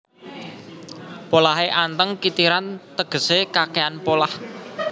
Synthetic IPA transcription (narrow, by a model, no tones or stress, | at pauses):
polaɦeʔant̪əŋkit̪iɾant̪əɡ̥ə̤sekakeanpolah